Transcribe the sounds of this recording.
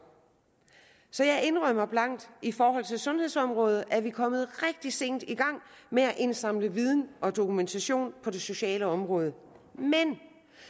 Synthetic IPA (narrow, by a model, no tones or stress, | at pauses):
sɒ̽jɑ̈ɪʔe̝nʁœmɐb̥lɑ̈ŋ̰d̥ifɒːɦɒ̽l̰t͡sʰe̝lsɔ̽nhe̝ð̞̰ˠsɒ̽mʁɔ̽ːð̞̩ˠʔæɐʋikʰɒ̽mð̞̩ˠʁɛɡ̥̚d̥ise̝̰ːnd̥iɡ̥ɑ̈ŋ̰meæʔe̝nsɑ̈m̰ləʋið̞ˠn̩ʔɒ̽d̥o̝kʰument͡sʰæɕo̝̰ːnpʰɒ̽d̥e̝so̝ɕɛ̰ːləɒ̽mʁɔ̽ːð̞ˠə | men